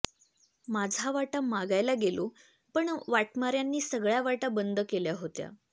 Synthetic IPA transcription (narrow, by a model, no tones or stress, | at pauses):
mad͡zʱaʋaʈamaɡajlaɡelo | pəɳʋaʈmaɾjanːiːsəɡɭjaʋaʈabənd̪əkeljaɦot̪ja̰